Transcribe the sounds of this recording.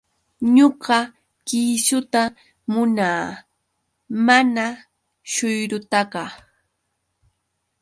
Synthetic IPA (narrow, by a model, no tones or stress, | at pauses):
ɲoɢɑ | kɪsʊt̪a | mʊnaː | mana | ʃʊjɾʊt̪aɢɑ